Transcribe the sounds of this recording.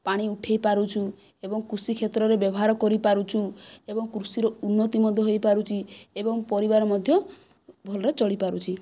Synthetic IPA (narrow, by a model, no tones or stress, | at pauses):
paɽ̃iuʈʰejpaɾut͡ʃʰu | ebɔŋkɾusikʰet̪ɾɔɾebjɔbɔɦaɾɔkɔɾipaɾut͡ʃʰuebɔŋkɾusiɾɔunːɔt̪imɔd̪ʱjɔɦojpaɾut͡ʃʰiebɔŋpɔɾibaɾɔmɔd̪ʱjɔ | bʱɔlɔɾet͡ʃɔɭipaɾut͡ʃʰi